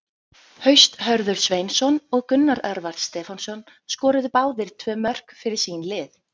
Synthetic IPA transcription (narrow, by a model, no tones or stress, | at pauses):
hœɥst̪ɦœɾðʏɾ̥svejnsɔnɔɣkʏnːaɾɛɾvaɾ̥t̪st̪ɛːfansɔn | skɔːɾʏðʏpaːwðɪɾ̥t̪ʰvœːmœr̥kfɪɾɪɾ̥sinlɪːθ